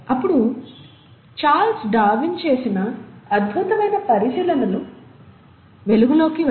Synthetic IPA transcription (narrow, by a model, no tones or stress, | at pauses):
ɐpːuɽu | t͡ʃaːlsɖaːʋint͡ʃe̞ːsinɐːd̪bʱut̪ɐmɐjnɐpɐɾiʃiːlɐnɐlu | ʋe̞luɡulo̞ːki